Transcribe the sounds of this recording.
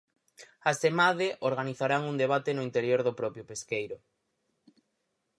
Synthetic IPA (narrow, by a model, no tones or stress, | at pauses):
asemaðeʔoɾɣaniθaɾaŋuŋd̪eβ̞at̪enʊint̪eɾjoɾðʊpɾɔpjʊpeskejɾʊ